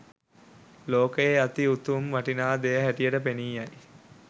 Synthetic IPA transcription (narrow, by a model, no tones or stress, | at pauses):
loːkəeat̪iut̪umʋaʈinaːd̪ejəɦæʈijəʈəpeniːaj